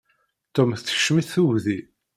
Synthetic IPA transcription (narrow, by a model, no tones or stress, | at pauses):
t̪ːomθt͡sːə̥ʃːmiθθuwði